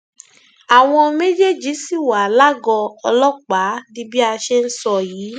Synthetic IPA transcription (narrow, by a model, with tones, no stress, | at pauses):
a˨w̃ɔ̃˧me˦d͡ʒe˦d͡ʒi˨˦si˦˨wa˨la˦ɡɔ˧ɔ˧lɔ˦k͡pa˨˦di˦bi˦a˧ʃe˦n̩˦sɔ˦˧˨jiː˨˦